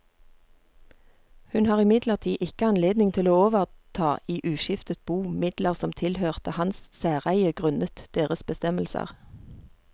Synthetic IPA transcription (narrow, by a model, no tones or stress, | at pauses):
hʉnhɑːʁɪmɪd̪ləʁt̪ʰiːʔɪkəɑnleːd̪nɪŋt̪ʰɪloːoːʋəʁt̪ʰɑːiːʔʉːʃɪft̪ət̪̚buːmɪd̪ləʁsɔmt̪ʰɪlhøːʁt̪əhɑnssæːʁæɪəɡʁʉnət̪d̪̥eːʁəsbəst̪ɛməlsə̰ʁ